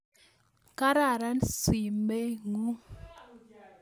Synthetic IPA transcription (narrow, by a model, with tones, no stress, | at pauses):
ka˦ɾa˦˨ɾa˦nsi˨me˦ŋu˦